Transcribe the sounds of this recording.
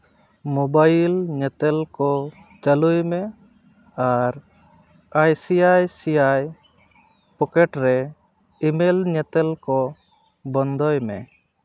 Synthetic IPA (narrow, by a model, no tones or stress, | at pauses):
mɔbajlɲɛt̪ɛlkɔ | t͡ʃalujmɛ | aɾ | ajsiajsijaj | pɔkɛʈɾɛ | imelɲɛt̪ɛlkɔ | bɔnd̪ɔjmɛ̰